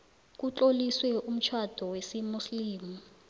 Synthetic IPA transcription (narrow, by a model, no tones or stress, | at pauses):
k̬ut͡ɬʼoliswɛʔum̩t͡ʃʰwad̥ʱɔwesimusliːmu